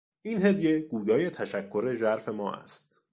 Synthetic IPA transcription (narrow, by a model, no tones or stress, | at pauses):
ʔiːnɦed̪je̞ɡ̥uːjɒːje̞t̪ʰæʃækʰːo̞ɾe̞ʒæɾfe̞mɒːʔæ̰st̪̚